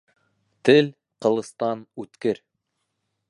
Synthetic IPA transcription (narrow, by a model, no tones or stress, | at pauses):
t̪ɘl | qɤ̆lˠɤ̆st̪ɑnʉt̪kɘɾ